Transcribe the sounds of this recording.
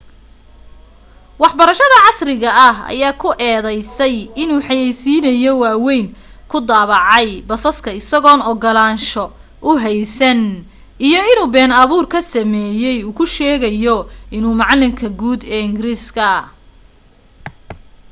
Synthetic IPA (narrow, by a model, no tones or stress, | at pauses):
wɑħbɐɾɐʃɐðɐʕɑsrɪɣɐɐɦɐ̰jaːkʰʊʔɛːðɛjsɛjɪnuːħɑjɛjsiːnɐjɔwɑːwɛjnkʰʊd̪aːβɑʕɑjbɐsɐskʰɐɪsɐɣɔːnɔɡɔlaːnʃɔ | ʔʊɦɛjsɐn | ijɔɪnuːbɛːnɐβuːrkʰɐsɐmɛːjɛjuːkʰʊʃɛːɣɐjɔɪnuːmɑʕɑlːɪmkʰɐɡuːd̪ɛːɪŋɡɪɾiːskʰɐ